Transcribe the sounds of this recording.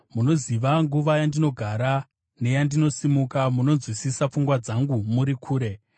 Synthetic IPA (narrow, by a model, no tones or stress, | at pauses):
muno̞ziʋaŋɡuʋajandino̞ɡʱaɾa | ne̞jandino̞simukamuno̞nzwisisap͡fuŋɡwad͡zaŋɡumuɾikʰuːɾe̞